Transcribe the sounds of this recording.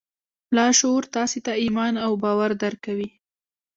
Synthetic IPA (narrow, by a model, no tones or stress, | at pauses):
plɑʃoɾt̪ɑset̪aimɑnawbɑwaɾd̪aɾkawi